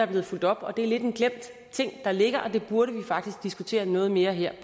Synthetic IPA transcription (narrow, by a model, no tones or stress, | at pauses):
æɐble̝ːð̩ˠful̰d̥ɒ̽b̥ɒ̽d̥e̝æɐle̝d̥e̝nɡ̥lem̰d̥ | t͡sʰe̝ŋ̰d̥ɑ̈le̝ɡ̥ɐʔɒ̽d̥e̝b̥uɐɾəʋifɑ̈ɡ̥d̥isɡ̥d̥isɡ̥ut͡sʰe̝̰ːɐnɔ̽ːð̞̩ˠme̝ːɐɦeɐ̰